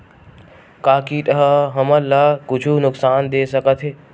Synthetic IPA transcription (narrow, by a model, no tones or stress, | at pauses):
kaːkiʈ̪əɦəɦəməlːaːkʊt͡ʃʰunʊksaːnd̪eːsɐkət̪ʰɦeː